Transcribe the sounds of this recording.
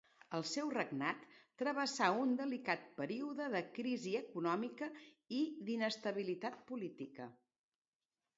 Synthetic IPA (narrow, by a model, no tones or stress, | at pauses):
əlˠsɛwrəɡnat̪ːɾəβəsaund̪əlikat̪̚pəɾiuðəðəkɾiziəkunɔmikə | iðinəst̪əβ̞ilit̪at̪̚pulit̪ikə̰